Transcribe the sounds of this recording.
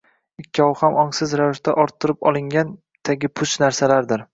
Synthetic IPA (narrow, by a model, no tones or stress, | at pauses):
ɪkʲʰːɒwhamɒŋsɪzɾavɪʃt̪aʔɒɾt̪ʰːʊɾɪpɒ̰lˠɪŋʲan | t̪ʰaɡʲɪpʰʊʃnaɾsalaɾd̪ɪɾ